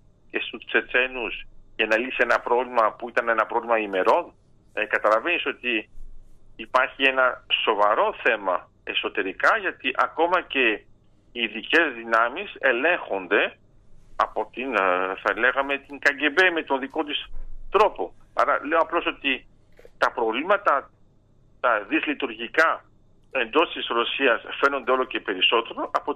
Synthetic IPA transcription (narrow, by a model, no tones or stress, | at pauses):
ce̞st̪ut͡se̞t͡se̞nusʝɐnɐlisie̞nɐpɾo̞vlimɐpuit̪ɐne̞nɐpɾo̞vlimɐime̞ɾo̞n | ekɐt̪ɐlɐve̞niso̞t̪iː | pɐɾçie̞nɐso̞vɐɾo̞θe̞mɐ | e̞so̞t̪e̞ɾikɐʝɐt̪iʔɐko̞mɐce̞ | iðice̞zðinɐmise̞le̞ŋxo̞nd̪e̞ | ɐ̰po̞t̪inθɐle̞ɣɐme̞t̪iŋkɐɲɟe̞beme̞t̪o̞nðiko̞t̪̬ist̪ɾo̞po̞ɐ̰ɾɐle̞o̞ɐplo̞so̞t̪i | t̪ɐpɾo̞vlimɐt̪ɐ | t̪ɐðizlit̪uɾʝikɐ | e̞nd̪o̞st̪isɾo̞siɐsfe̞no̞nd̪eo̞lo̞ce̞pe̞ɾiso̞t̪e̞ɾo̞ʔɐpo̞